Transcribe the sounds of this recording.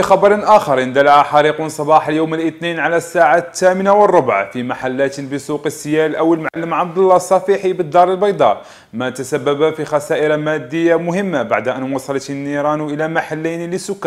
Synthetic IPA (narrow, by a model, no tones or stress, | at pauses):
ixɑbɑɾˤnʔæxɑɾˤənd̪ælʕaħɑɾiqʊnsˤɑbɑħəljowməlʔət̪ninʕalæsːaʕat̪ːæmənawərˤːʊbʕafimaħalːæt̪bəsˤuqəsːjælʔæwəlmʕalːəmʕɑbd̪əlˤːɑsˤːɑfiħibəd̪ːɑɾˤəlbɑjd̪ˤɑ | mæt̪æsæbːæbafixæsæʔəɾamæd̪ːəjːamʊhəmːabaʕd̪ʔænwɑsˤɑlt̪ənːiɾˤɑnʔəlæmaħalːæjniləsʊkːæ